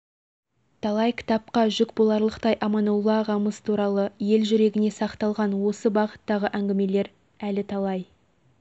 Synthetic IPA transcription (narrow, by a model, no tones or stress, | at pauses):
t̪ʰɑlˠɑjkʲʰɪ̥t̪ɑp̚qɑʒʏkbolˠɑɾlˠəqt̪ɑjʔɑmɑnolˠɑʁɑməst̪ʰuɾɑlˠəje̞lʒʏɾe̞ɡʲɪne̞sɑqt̪ɑlˠʁɑnwo̞səbɑʁə̥t̪ːɑʁəʔæŋɡʲɪme̞le̞ɾ | ælɪt̪ʰɑlˠɑj